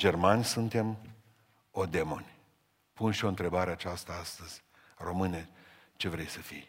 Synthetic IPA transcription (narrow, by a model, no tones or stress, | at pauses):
d͡ʒe̞rmanʲsunt̪e̞m | o̞d̪e̞mo̞nʲ | punʃio̞ɨnt̪ɾe̞baɾe̞at͡ʃast̪əast̪əz̥ʲ | ro̞mɨne | t͡ʃe̞vɾe̞jsəfḭj